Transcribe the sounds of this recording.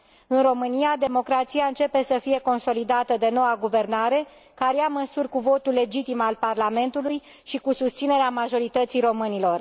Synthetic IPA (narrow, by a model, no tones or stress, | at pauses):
ɨnro̞mɨnijad̪e̞mo̞kɾat̪siaɨnt͡ʃe̞pe̞səfije̞ko̞nso̞lid̪at̪əd̪e̞no̞waɡuve̞rnaɾe̞ | kaɾjaməsurʲkuvo̞t̪ulːe̞d͡ʒit̪imalparlame̞nt̪uluj | ʃikusust̪sine̞ɾeamaʒo̞ɾit̪ət̪sijɾo̞mɨnilo̞r